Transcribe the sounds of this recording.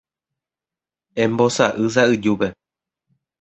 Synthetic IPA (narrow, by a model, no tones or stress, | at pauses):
ẽmbo̞saʔɨs̬aɨd͡ʒupe